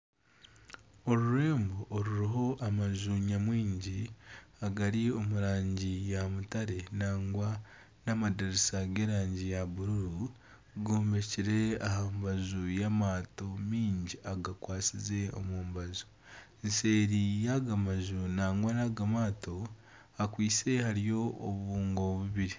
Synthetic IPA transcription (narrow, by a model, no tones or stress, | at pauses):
o̞ɾuɾe̞ːmboʔːɾuɾiɦo̞ʔamaʒuɲamwiːɲɟiaɡaɾio̞muɾaːɲɟijamutaɾe̞naːŋɡwa | namadaɾisaɡe̞ːɾaːɲɟijaβuɾuɾu | ɡoːmbeciɾe̞ahambazujamaːto̞miːɲɟiaɡakwaːsize̞o̰muːmbazu̥ | nse̞ːɾijaɡamazunaːŋɡwanaɡamaːto̞ | akwiːse̞haɾijo̞oβuβuːŋɡo̞βuβiɾi